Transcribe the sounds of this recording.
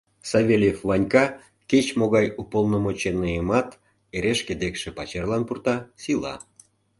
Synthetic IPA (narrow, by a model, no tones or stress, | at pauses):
sɑvʲelʲjefvɑnʲkɑ | ket͡ɕmoɣɑjupolnəmot͡ɕenːəjəmɑt̪ | eɾeʃked̪ekʃepɑt͡ɕerlɑnpurt̪ɑsilɑ̰